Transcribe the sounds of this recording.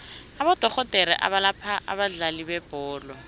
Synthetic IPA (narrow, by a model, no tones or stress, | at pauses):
abɔtɔχɔtʼɛɾɛ̰ʔa̰βalapʰaʔa̰baɮalibɛb̥ɔːlɔ